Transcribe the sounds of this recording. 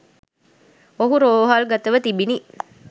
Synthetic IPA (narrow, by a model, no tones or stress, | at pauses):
oɦuɾoːɦaːlɡɐt̪əʋət̪ibini